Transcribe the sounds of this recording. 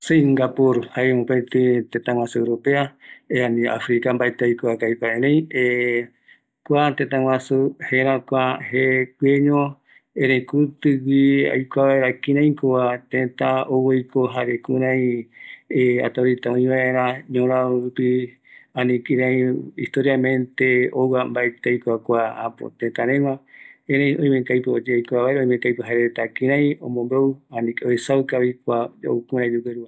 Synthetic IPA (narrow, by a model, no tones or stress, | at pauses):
seŋɡapuɾhaemõpet̪ɨt̪ẽt̪ãŋwãsueɾopeaeanĩa̰fɾikambaet̪eajkoakajpaẽɾẽj̃e | kʷat̪ẽt̪ãŋ̃ʷãsuheɾãkʷahekʷeɲõ | ẽɾẽjkut̪ɨwia̰jkʷaβaeɾakĩɾãj̃koβat̪ẽt̪aowejkoɦaɾekuɾãj̃ | a̰t̪aɾit̪aõĩβaeɾãɲõɾ̃ãɾupi | ãnĩkĩɾãĩist̪oɾiamẽnt̪eowwambaet̪ejkʷakʷaapo̰t̪ẽt̪aɾẽmãẽɾẽj̃ʔõj̃mẽkajpod͡ʒeajkʷaβaeɾaõj̃mẽŋkajpɨɦaeɾet̪akĩɾãjĩõmõmbewanĩkeoesakaβikʷao̰kuɾãĩd͡ʒukeɾua